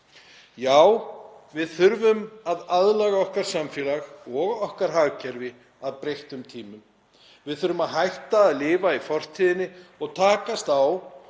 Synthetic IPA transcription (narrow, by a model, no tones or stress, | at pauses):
jaːwvɪðθʏɾvʏmaðaðlaɣaɔhkaɾ̥samfɛlaɣɔɣɔhkaɾ̥ɦaːɣcʰɛɾvɪ | aðpɾejht̪ʏmt̪ʰiːmʏm | vɪðθʏɾʏmaðɦajht̪aːðlɪːvaifɔr̥t̪ʰiːðɪnːɪɔɣt̪ʰaːkast̪aw